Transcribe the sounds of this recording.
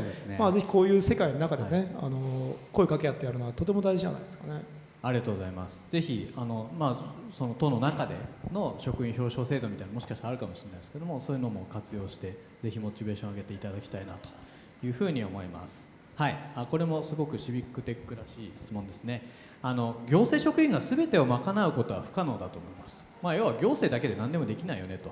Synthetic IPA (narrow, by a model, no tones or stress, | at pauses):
dessɨnemaːze̞çi̥ko̞ːjɯ̟ːse̞kainonakad̪ene̞a̰noko̞ikake̞jat̪ːejaɾɯ̟noat̪o̞t̪̬e̞mo̞d̪aiʑiʑa̰na̰id̪eska̰ne̞ | aɾʲiɡat̪oɡo̞zaimasɨ̥z̥e̞çiano̞maːso̞not̪o̞no̞nakad̪e̞̰no̞ɕo̞kɯ̟ĩçʲo̞ːɕo̞ːse̞ːd̪o̞mʲit̪ainamo̞ɕi̥kaɕit̪aɾaɾɯ̟kamoɕiɾenaid̪esked̪omoso̞ːjɯ̟no̞mo̞kat͡sɨjo̞ːɕi̥t̪e̞ | ze̞çimo̞t͡ɕibe̞ːɕõaɡe̞t̪e̞it̪ad̪akʲi̥t̪aina̰t̪o̥ | jɯ̟ːɸɯ̟ːɲ̟io̞mo̞ima̰sɨ̥ | haiako̞ɾe̞mo̞sɨɡo̞kɯ̟ɕibʲikːɯ̟t̪e̞kːɯ̟ɾaɕiːsɨ̥t͡sɨmõ̞nd̪e̞sɨne̞ | ano̞ɡʲo̞ːse̞ːɕo̞kɯ̟ĩŋɡasɨbe̞t̪e̞o̞makanaɯ̟ko̞t̪o̞βa̰ɸɯ̟̥kano̞ːd̪at̪o̞ːmoimasɨ̥ | majoβaɡʲo̞ːse̞ːd̪ake̞d̪e̞nãnd̪e̞mo̞d̪e̞kʲinaijo̞ne̞t̪o̞